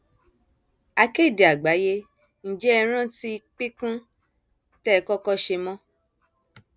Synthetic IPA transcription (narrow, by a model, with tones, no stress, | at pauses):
a˧ke˦˨di˨a˨ɡ͡ba˨˦je˦ | n̩˨d͡ʒɛ˦ɛ˧ɾ̃ã˦ti˦˧k͡pi˦kũ˦ | tɛ˦˨˧kɔ˦kɔ˦ʃe˧mɔ̃˦